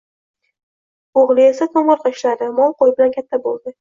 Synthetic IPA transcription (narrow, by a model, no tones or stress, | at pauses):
oʁlˠɪe̞sak̪ʰoŋɨlqʰɨʃlaɾɪmɒlˠqojbɪlankʲʰat̪ʰːabolˠd̪ɪ